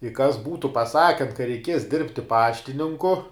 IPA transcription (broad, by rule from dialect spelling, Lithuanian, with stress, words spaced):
ɪ kɐs ˈbuːtʊ pɐˈsɑːkʲɛn kɐ rʲɛɪˈkʲiɛs ˈdʲɪrʲpʲtʲɪ ˈpɑːʃʲtʲɪnʲɪŋkʊ